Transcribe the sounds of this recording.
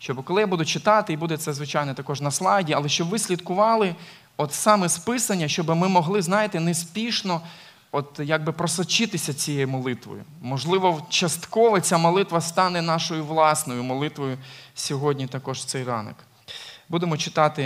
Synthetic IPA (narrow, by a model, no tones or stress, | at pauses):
ʃt͡ʃɔbkɔlˠɪjabud̪ʊt͡ʃɪt̪ɑt̪ɪibud̪ɛt̪sɛzʋɪt͡ʃɑjnɛt̪ɐkɔʒnɐslˠɑdʲiɐlˠɛʃt͡ʃɔbʋɪsʲlʲit̪kʊʋɑlˠɪ | ɔt̪sɑmɛspɪsɐnʲːɐʃt͡ʃɔbɪmɪmɔɦlˠɪznɑjɪt̪ɪnɛspʲiʃnɔ | ɔt̪jaɡ̚bɪpɾɔsɐt͡ʃɪt̪ɪsʲɐt͡sʲijɛjmɔlˠɪt̪ʋɔ̰jʊ̰mɔʒlˠɪʋɔt͡ʃɐst̪kɔʋɐt͡sʲamɔlˠɪt̪ʋɐst̪ɑnɛnɑʃɔjʊʋlˠɑsnɔjʊmɔlˠɪt̪ʋɔjʊsʲɔɦɔdʲnʲit̪ɐkɔʒt̪sɛjrɑ̰nɔ̰k | bud̪emɔt͡ʃɪ̥t̪ɑt̪ɪ